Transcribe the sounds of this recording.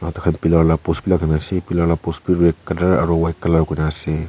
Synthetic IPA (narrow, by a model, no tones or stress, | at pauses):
atakʰanpilaɾlapuspilakʰanasepilaɾlapuspiɾekːadaɾa̰ɾɔwajkalaɾkujnase